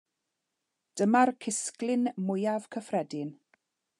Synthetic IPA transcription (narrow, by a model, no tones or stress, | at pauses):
d̥əmarkʰɪsklɪnmʊjav̥kʰəfrɛdɪn